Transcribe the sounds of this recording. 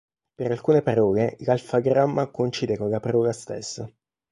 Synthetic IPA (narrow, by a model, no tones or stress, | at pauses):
peɾalkuːnepaɾɔːɡeɡalfaɡɾamːakont͡ʃiːd̪ekolapaɾɔːɡast̪ḛsːa